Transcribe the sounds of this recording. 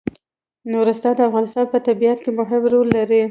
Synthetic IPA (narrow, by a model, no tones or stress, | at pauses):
noɾast̪ɑd̪əafɣɑnɪst̪ɑnpət̪abijat̪kemʊɦɪmɾolːaɾi